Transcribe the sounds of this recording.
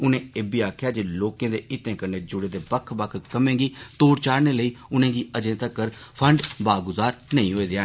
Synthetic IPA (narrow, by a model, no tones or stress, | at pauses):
ʊnẽːeːbiːaːkʰjaːd͡ʒeːloːkẽːd̪eːɪt̪ẽːkəɾneːd͡ʒʊɽeːd̪eːbəkʰːbəkʰkəmẽːɡiːt̪oːɾt͡ʃaːɽneːləiːʊnẽːɡiːəd͡ʒẽːt̪əkəɾpʰəɳɖbaːɡʊzaːɾnəĩːɦoːeːd̪ɪãː